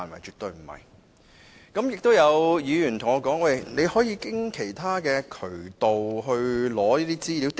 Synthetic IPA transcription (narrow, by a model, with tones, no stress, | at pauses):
nmɐ̰˨˩jt͡ʃyː˨t̚t̪ɵ˧ɥm̩˨˩hɐ̰˨˩j | kɐ˨˥mjɪ˨k̚t̪o˥wjɐ˨˧wjiː˨˧jyː˨˩nt̪ʰʊ˨˩ŋɔː˧kɔː˨˥ŋwɐ˥˩jne˨˧jhɔː˨˥jiː˧kɪ˥ŋkʰe˨˩jt̪ʰaː˥kɛː˧kʰɵ˨˩ɥt̪o˨wɦɵ˧ɥlɔː˨˥liː˥t̪iː˥t͡siː˥li˨˥wt̪